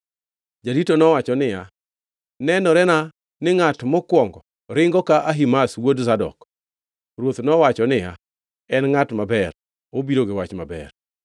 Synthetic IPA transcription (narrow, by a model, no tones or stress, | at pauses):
d͡ʒaɾitonɔwat͡ʃɔnɪja | nɛnɔɾɛna | nɪŋatmɔkwɔŋɡɔ | ɾɪŋɡɔkaʔaɦimaswodzadɔ̰k | ɾwot̪nɔwat͡ʃɔnɪja | ɛnŋatmabɛr | obiɾoɡɪwat͡ʃmabɛ̰r